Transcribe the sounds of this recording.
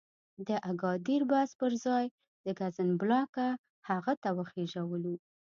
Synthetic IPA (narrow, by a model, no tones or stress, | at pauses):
d̪əʔaɡɑd̪iɾbaspəɾzɑj | d̪əɡazənblɑka | haɣat̪awəxeʒawəlu